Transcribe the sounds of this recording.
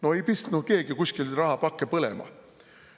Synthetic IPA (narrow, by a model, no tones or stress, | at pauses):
no̞ejpist̪nud̪̚ke̞ːɡ̥ikuskilrɑɦɑpɑkːepɤlḛmɑ̰